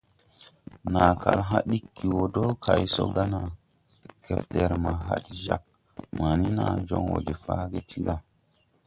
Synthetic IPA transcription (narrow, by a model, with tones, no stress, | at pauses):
na˨ka˨lɦa˦ɗi˦kːi˨wo˨do˦kʰa˨jso̰˨˦ɡa˦na˨ | kʰe˨p̚de˨ɾma˨ɦa˦tʒa˦k̚ | ma˨ni˦na˨d͡ʒo˦ŋwo̰˨de˨fa˦ɡe˦tʰi˦ɡa˨